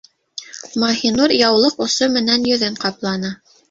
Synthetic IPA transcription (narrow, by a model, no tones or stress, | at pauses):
mɑhinuɾjɑwlˠɤqŏsomɘ̆nænjɵ̆ðɘɴqɑplˠɑnɤ